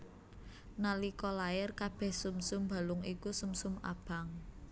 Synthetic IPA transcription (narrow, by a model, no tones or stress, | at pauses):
nalikɔlajɪrkab̥ɛhsumsʊmba̤lʊŋikusumsʊma̰b̥a̤ŋ